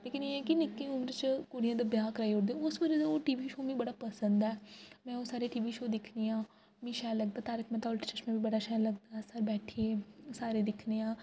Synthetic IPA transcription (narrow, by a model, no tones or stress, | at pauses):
leːkɪneɛːkɪnɪkːẽːʊmɾt͡ʃkʊːɽɪjãːd̪abjaːkɾaːiʊɽd̪eʊsʋəd͡ʒəd̪aoːʈiːʋiːʃoːmĩːbəɽaːpəsənd̪ɛːmɛ̃ːoːsaːɾeːʈiːʋiːʃoːd̪ɪkʰneːãː | mĩːʃɛːləɡ̚d̪aːt̪aːɾɪkʰmɛ̃ːt̪aɔlʈt͡ʃət͡ʃmɛ̃ːbiːbəɽaːʃɛːləɡd̪aːaːɾbɛːʈʰieːsaːɾeːd̪ɪkʰneːãː